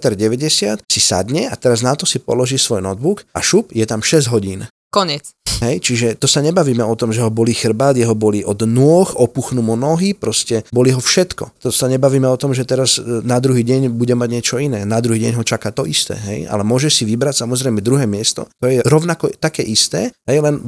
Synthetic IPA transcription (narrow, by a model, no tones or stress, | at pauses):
t̪ɛɾɟɛʋɛɟɛsɪat̪sisa̰d̪ɲɛat̪ɛɾaznat̪ɔsipɔ̰lɔʒisʋɔjnɔd̪̚buka̰ʃupjɛt̪amʃɛzɟɦɔɟiːn | kɔɲɛt͡sɦɛjt͡ʃiʒɛt̪ɔsaɲɛbaʋiːmɛɔt̪ɔmʒɛɦɔbɔlixr̩bad̪jɛɦɔbɔliʔɔd̪nʊɔxɔpuxnumunɔɦipɾɔscɛbɔliɦɔfʃɛt̪kɔ̰t̪ɔsaɲɛbaʋiːmɛɔt̪ɔmʒɛt̪ɛɾaznad̪ɾuɦiːɟɛɲbuɟɛmaɟɲɪɛt͡ʃɔinɛːnad̪ɾuɦiːɟɛɲɦɔt͡ʃakat̪ɔʔist̪ɛ̰ːɦɛ̰ja̰lɛmʊɔʒɛʃsiʋibɾacsamɔzɾɛjmɛd̪ɾuɦɛːmɪɛst̪ɔ̰t̪ɔjɛɾɔʊnakɔt̪akɛːʔist̪ɛːɦɛjlɛn